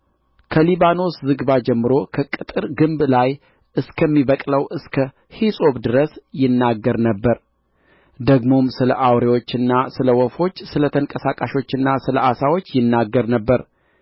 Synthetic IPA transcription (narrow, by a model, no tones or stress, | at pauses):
kʰəliβano̞szɨɡβad͡ʒɛmːɨɾo̞kʰəkʼɨt̪ʼɨɾɡɨmblaj | ɨskʰəmːiβəkʼləwʔɨskʰə | hisʼo̞βd̪ɨɾəsjɪnːaɡːəɾnəbːəɾ | d̪əɡmo̞msɨlə̰ʔawɾewo̞t͡ʃːɪnːasɨləwɔfo̞t͡ʃːsɨlət̪ʰəŋkʼəsakʼaʃo̞t͡ʃːɨnːasɨləʔasawo̞t͡ʃːjɪnːaɡːəɾnəbːəɾ